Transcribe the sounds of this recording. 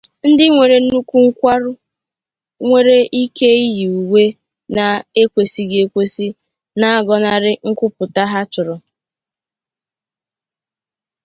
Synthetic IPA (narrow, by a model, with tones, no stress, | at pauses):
n̩˦dɪ˦ŋʷe˨ɾe˨n̩˦nu˦ku˦ŋ̩˦kʷa˦ɾʊ˦ | ŋʷe˦ɾe˦ʔi˦ke˦i˦ji˨u˨we˦ | na˨e˦kʷe˨si˨ɡe˨kʷe˦si˦ | na˦a˦ɡɔ˨na˨ɾɪ˦ŋ̩˦kʷʊ˦pʊ˨ta˦ɦa˦t͡ʃʊ˨ɾɔ˨